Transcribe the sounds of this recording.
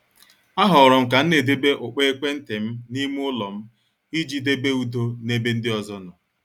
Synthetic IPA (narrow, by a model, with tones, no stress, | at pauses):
a˦ɦɔ˨ɾɔ˨ŋ̩˨k̬a˨n̩˦ne˨de˦be˦ʔʊ˨k͡pe˦e˦kʷe˦n̩˦te˨m̩˦ni˦mu˦ʊ˦lɔ˨m̩˦ | i˦d͡ʒi˨de˦be˦u˦do˦ne˦be˦n̩˦dɪ˦ɔ˨zɔ˦nʊ˨